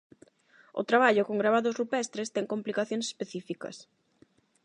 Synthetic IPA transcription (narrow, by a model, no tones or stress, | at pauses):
ʊ̰t̪ɾaβ̞aʎʊkoŋɡɾaβ̞aðʊzrupɛst̪ɾest̪ɛŋkomplikaθjõŋse̥speθifikɐ̰s